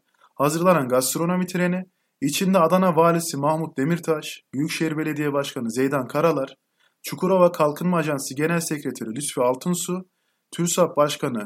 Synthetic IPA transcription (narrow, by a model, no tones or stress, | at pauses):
hazɯɾlˠananɡast̪ɾo̞no̞mit̪ʰiɾe̞ni | it͡ʃʰind̪ɛad̪anavaːlʲisimahmut̪̚d̪e̞miɾt̪ʰaʃbyjycʃeɦiɾbe̞lʲe̞d̪ijɛbaʃkʰanɯzejd̪ankʰaɾalˠaɾ̥ | t͡ʃʰukʰuɾovakʰalˠkʰɯnmaːʒansɯɟe̞nælʲsecɾet̪ʰaɾilʲyt̪fɛalˠt̪ʰɯnsu | t̪ʰyɾsap̚baʃkʰanɯ